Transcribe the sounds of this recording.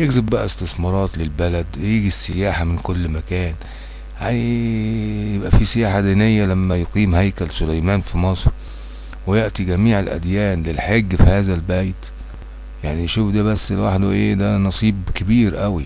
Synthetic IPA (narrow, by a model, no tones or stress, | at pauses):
jeɡzɪbbæʔæest̪ɪsmɑɾˤɑːt̪lelbælæd̪wjiːɡisːɪjaːħamɪnkʊlːmækæːn | ha | jebʔæfisɪjaːħad̪inejːælæmːæjoqiːmhæjkælsʊlæjmæːnfimɑsˤɾ | wɪjeʔt̪iɡæmiːʕelʔæ̰d̪jæːnlɪlħeɡːfihæːzælbæjt̪ | jaʕninʃuːfd̪æːbæsːelwaħd̪uʔḛːd̪ænɑsˤiːbkɪbiːɾʔæwi